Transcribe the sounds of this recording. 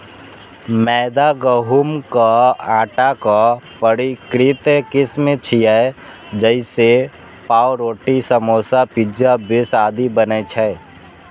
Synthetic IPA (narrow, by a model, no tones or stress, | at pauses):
mɛːd̪aɡəɦumkaãːʈakapəɽikɾɪt̪kɪsmet͡ʃʰijɛ | d͡ʒəɪse | paːwɾoːʈisəmoːsapɪd͡ʒjabɪsaːd̪ibənɛt͡ʃʰɛ